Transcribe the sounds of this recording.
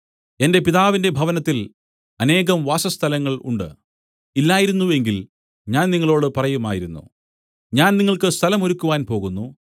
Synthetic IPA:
e̞nde̞piðaːʋinde̞bʱɐʋɐnɐt̪ːil | ɐne̞ːɣɐmʋaːsɐst̪ʰɐlɐŋːɐɭṵɳɖɨ̰ | ilːaːjiɾunːuʋe̞ŋɡil | ɲaːnniŋːɐɭo̞ːɽɨpɐrɐjumaːjiɾunːṵ | ɲaːnniŋːɐɭkɨst̪ʰɐlɐmoɾukːuʋaːnpo̞ːɣunːu

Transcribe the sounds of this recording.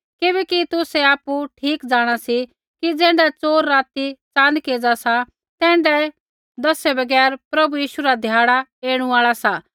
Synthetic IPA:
kɪbɛːkit̪ʊsɛaːpuʈʰiːkd͡zaːɽ̃asi | kid͡zɛ̃ːɳɖat͡soːɾːaːt̪it͡sãːnkeːd͡zasa | t̪ɛ̃ːɳɖɛ | d̪ɐsɛbɐɡɛːɾpɾɐbujiːʃuɾad̪ʱjaːɽ̃aeːɽ̃ũaːɭasa

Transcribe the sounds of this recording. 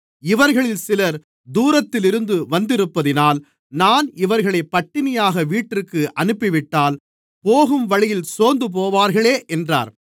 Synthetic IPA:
ɪʋɐɾɣɐɭɪlsɪlɐɾ | d̪uːɾɐt̪ːɪlɪɾɯnd̪ɯʋɐnd̪ɪɾɯpːɐðɪnaːl | naːnɪʋɐɾɣɐɭɐɪpːɐʈːɪmɪjaːɣɐʋiːʈːɪkːɯʔɐnɯpːɪʋɪʈːaːl | poːɣɯmʋɐɻɪjɪlsoːnd̪ɯp̬oːʋaːɾɣɐɭeːʔɛndra̰ːɾ

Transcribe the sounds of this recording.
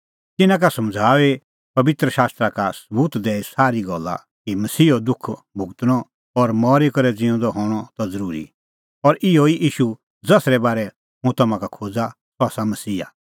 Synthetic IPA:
t̪ɪnãk̬asɐmd͡zʱaːʋe | pɐbɪt̪ɾəʃaːst̪ɾakasɐbuːt̪d̪ɛːisaːɾiɡɔlːa̰ | kimɐsiːɔd̪ʊkʰbʱʊɡt̪nɔ | ɔɾmɔːɾekɔɾɛd͡zɪ̃ɔ̃d̪ɔɦɔːɽ̃ɔt̪ɔd͡zɐɾuːɾḭ | ɔɾʔɪɔiʔiːʃu | d͡zɐsɾɛbaːɾɛ | ɦũt̪ɐmãkakʰoːd͡za | sɔasamɐsiːa̰

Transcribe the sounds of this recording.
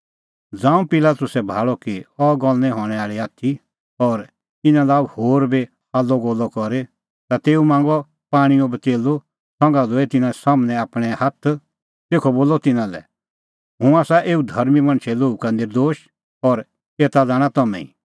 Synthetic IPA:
d͡zãːũpɪlaːt̪ʊsɛbʱaːɭɔkiɔɡɔlnɛ̃ɦɔːɽ̃ɛaːɭiaːt̪ʰi | ɔɾ | t̪ɪnãlaːuhoːɾbe | aːlːɔɡɔːlːɔkɔɾe | t̪at̪eːumãːŋɡɔ | paːɽ̃iõbəteːlo | sɔ̃ŋɡãd̪oːɛt̪ɪnasaːmnɛ̃aːpɽ̃ɛhɐt̪ʰ | t̪eːkʰɔboːlɔt̪ɪnãlɛ̰ | ɦʊ̃aːsaʔeːud̪ʱɐɾmimɐ̃ɽ̃t͡ʃʰɛloːukanɪɾd̪oːʃ | ɔɾ | eːt̪ad͡zaːɽ̃at̪ɐmɛ̰̃ḭ̃

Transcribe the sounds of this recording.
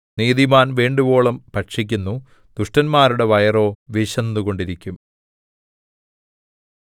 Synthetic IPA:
niːðimaːnʋeːɳɖubo̞ːɭɐmpɐʈʂik̬ʲːunːu | d̪̥uʂʈɐnmaːɾuɽe̞ʋɐjɐro̞ːʋiɕɐnːuɣo̞ɳɖiɾikʲːum

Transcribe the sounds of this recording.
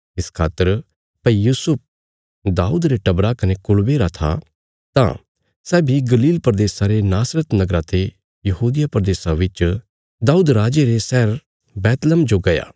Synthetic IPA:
ɪskʰaːt̪ːəɾ | pɐijuːsʊp̚ʰ | d̪aːuːd̪ɾeʈɐbɾakɐnekʊɭbeɾat̪ʰa̰ | t̪ã̰ | sɛːbʱiɡɐliːlpəɾd̪eːsaɾenaːsɾət̪nɐɡɾat̪ʰe | jɐɦuːd̪ɪjapɾd̪eːsaʋɪt͡ʃ | d̪aːuːd̪ɾaːd͡ʒeɾesɛːɾ | bɛːt̪ləmd͡ʒoɡɐja̰ː

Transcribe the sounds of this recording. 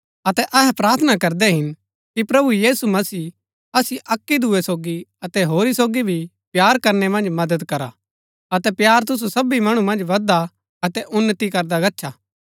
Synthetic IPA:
ɐt̪ɛʔɐɦɛpɾaːɾt̪ʰənakɐɾd̪ɛɦɪn | kipɾɐbujiːsumɐsiː | ɐsiʔɐkːid̪ʱuesoːɡiɐt̪ɛɦoːɾisoːɡibʱi | pjaːɾkɐɾnɛmɐ̃nd͡ʒmɐd̪əd̪kɐɾa̰ | ɐt̪ɛpjaːɾt̪ʊs̬usɐbimɐɽ̃umɐ̃nd͡ʒʋɐd̪a | ɐt̪ɛʔʊnːət̪ikɐɾd̪aɡɐtːʃʰaː

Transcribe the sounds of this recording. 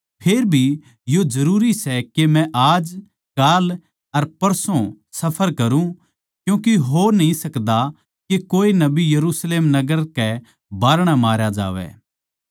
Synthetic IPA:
pʰeːɾbʱi | jod͡ʒɐɾuːɾisɛkemɛ̃ʔaːd͡ʒ | kaːl | ɐɾpɐɾsõ | sɐpʰəɾkɐɾũ | kjũːkiɦoːɾnɐɦĩsɐkd̪a | kekoːinɐbijɐɾuːsleːmnɐɡəɾkɛ | baːɾɽ̃amaːɾjad͡ʒa̰ːʋɛ̰ː

